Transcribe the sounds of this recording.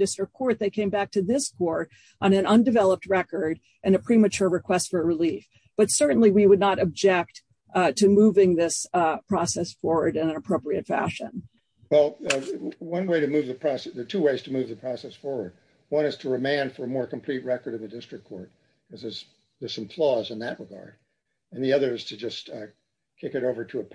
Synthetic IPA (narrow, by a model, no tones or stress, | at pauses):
dɪstɹ̥ɨk̚kʰːɔɹt̪̚ðeɪkʰẽɪ̃mbæk̚tʰɨðɪskʰɔɹɾ | ʔə̃nɨ̃nʌ̃ndɨvɛlˠəp̚t̚ɹɛkə˞ɾ | ʔɨ̃nɨpʰɹ̥imɨt͡ʃʊɹɹɨkʰw̥ɛstfə˞ɹɨlif | b̥ʌtsɜ˞ʔn̩liwiwədⁿnəɾɨb̚d͡ʒɛk̚t | tʰɨmuvɪ̃ŋðɪspʰɹ̥ɔsɛsfɔɹwə˞ɾɨ̃nɨ̃nəpʰɹ̥oʊpɹiɨtfæ̰ʃɨ̰̃n | wɛlˠ | wʌ̃nweɪɾɨmʉvðɨpʰɹ̥ɔsðə˞tʰʉweɪz̥tʰɨmuvðɨpʰɹ̥ɔsɛsfɔɹwə˞d̚ | wʌ̃nɨz̥tʰɨɹɨmẽɪ̃nfə˞əmɔɹkm̩pʰl̥it̚ɹɛkə˞ɾɨ̃nðɨdɪstɹ̥ɨkʰɔɹt̚ | kʌzɨz̥ | ðɪsɨ̃m̩pʰl̥ɔzɨ̃nðɨʔ̚ɹɨɡɑ̰ɹd̥ | ɨ̃nðiʌðə˞ɨz̥tʰɨd͡ʒʌst | kʰɪkɨɾoʊvə˞ɾəː